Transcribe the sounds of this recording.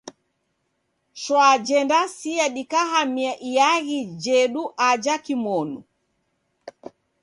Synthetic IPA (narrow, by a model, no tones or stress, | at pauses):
ʃwad͡ʒɛndasiaɗikahamiaʔijaɣid͡ʒɛɗuʔad͡ʒakimɔnu